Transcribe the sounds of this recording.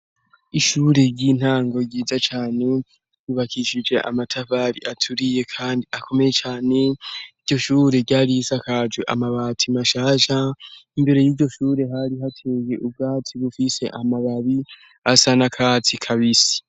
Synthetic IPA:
iʃuːɾe̞ɟin̥haːŋɡo̞ɟiːzat͡ʃaːne̞ | uβakʰiʃid͡ʒe̞ʔa̰matʰaβaːɾḭʔatʰuɾije̞kʰaːndiʔakʰo̞me̞je̞t͡ʃaːne̞iɾɟo̞ʃuːɾe̞ɟaːɾisakʰad͡ʒeʔamaβaːtʰimaʃaːʃaimbe̞ɾe̞jiːɟo̞ʃuːɾe̞ɦaɾiɦatʰe̞ːje̞ʔub̚ɡaːtʰiβufise̞ʔamaβaβi | asanakʰaːtʰikʰaβisi̥

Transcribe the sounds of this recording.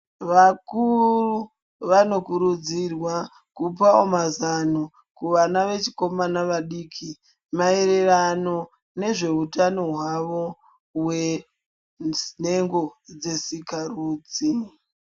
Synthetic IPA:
ʋakuru | ʋano̞kuɾud͡zirwa | kup̬aomazano | kuʋanaʋe̞t͡ʃi̥ko̞manaʋaɗiːkʰi | maeɾe̞rano̞ | ne̞ʐe̞utanoɦwaʋo̞ | we̞ | ne̞ŋɡo̞d͡ze̞sikaruːd͡zi

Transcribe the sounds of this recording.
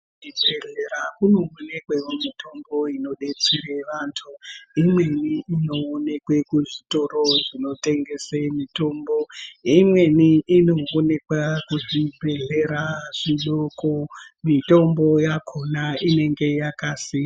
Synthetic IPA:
ibʱeɮeɾakuno̞one̞kweomito̞mbo̞ino̞ɗe̞t͡sire̞ʋantʰuimwe̞niːnoːne̞kwe̞kuʐito̞ɾo̞ʐino̞te̞ŋɡe̞semito̞mboimwe̞niʔino̞ːne̞kwakuʐibʱe̞ɮe̞ɾaʐ̥iɗokomito̞mbo̞jakʰo̞naine̞ŋɡe̞jakasi

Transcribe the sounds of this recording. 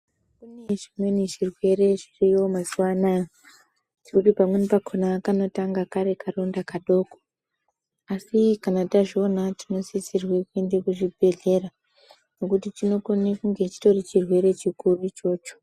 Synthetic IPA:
kuneʐimwe̞niʐirwe̞ɾe̞ʐirio̞masuwanaj | tikutipamwenipakʰonakano̞taŋɡakaɾe̞karondakaɗo̞ːko | asikanataʐionatino̞zisirwekue̞nde̞kuʐibʱe̞ɮe̞ɾa | no̞kutitino̞konekuŋɡe̞t͡ʃi̥to̞rit͡ʃirwe̞ɾe̞t͡ʃikurut͡ʃo̞ːt͡ʃo̥

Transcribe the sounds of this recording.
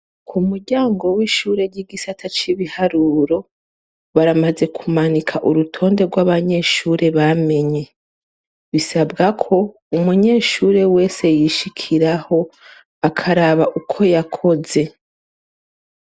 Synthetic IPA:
kʰumuɾɟaːŋɡo̞wiːʃuːɾe̞ɾɟiɡisatʰat͡ʃiβihaɾuɾo̞ | βaɾamaze̞kʰumanikʰaʔuɾutʰo̞ːnde̞ɾɡwaβaɲe̞ʃuːɾe̞βame̞ɲe̞ | βisabɡakʰo̞ | umuɲe̞ʃuːɾe̞we̞ːse̞jiʃikʰiɾaho̞ | akʰaɾaβaʔukʰo̞jakʰo̞ze̞

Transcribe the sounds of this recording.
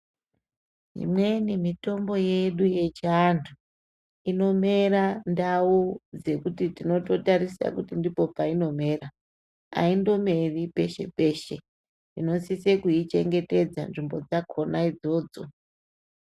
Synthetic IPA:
ḭmwe̞nimito̞mbo̞je̞ɗuje̞t͡ʃantʰu | ino̞me̞ɾandaud͡ze̞kutitino̞to̞taɾisa̰kutindipo̞paino̞me̞ːɾa | a̰indo̞me̞ripe̞ʃe̞̰pe̞ːʃe̞ | nino̞sise̞kuit͡ʃe̞ŋɡe̞te̞d͡za̰nʐimbo̞d͡zakʰo̞naid͡zo̞ːd͡zo̞

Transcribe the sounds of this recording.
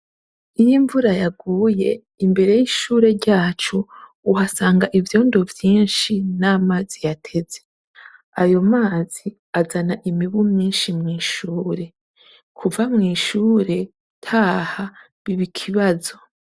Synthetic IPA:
ijiɱvuɾajaɡuːje̞ | imbe̞ɾe̞jiʃuːɾe̞ɾɟaːt͡ʃo̞ | uɦasaːŋɡaʔivjo̞ːndo̞vjiːnʃinaːmazijatʰe̞ze̞ | ajo̞maːz̥i | azanaʔimiβumɲiːnʃimŋiːʃuːɾe̞ | kʰuvamŋiːʃuːɾe̞ | tʰaːha | βiβikʰiβazo̞

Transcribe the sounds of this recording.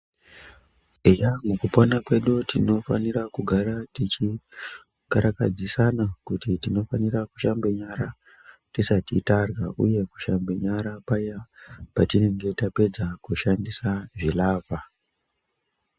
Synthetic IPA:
ejamukuponakwe̞ɗutino̞fa̰nirakuɡʱaɾatit͡ʃi | kaɾaka̰d͡zisanakutitino̞faniraku̥ʃambeɲaɾa | tisatitarɣaʔṵje̞ku̥ʃambe̞ɲaɾapajapatine̞ŋɡe̞tape̞d͡zakuʃandisaʐilaːva

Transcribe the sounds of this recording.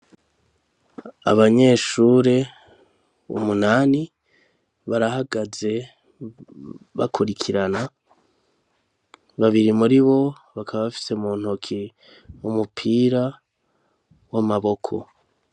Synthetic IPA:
a̰βaɲe̞ːʃuɾe̞ | ṵmunaːni | βaɾahaɡaze̞ | βa̰kʰuɾikʰiɾana | βaβiɾimuɾiβo̞ | βakʰaβaβafi̥semuːn̥hukʰi | umupʰiːɾa | wamaβo̞kʰo̞̰

